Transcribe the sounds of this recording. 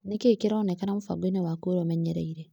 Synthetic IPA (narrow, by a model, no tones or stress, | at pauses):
nekekiɾɔnekanamufa̰ɡenewakoɾɔmɛɲɛɾeiɾe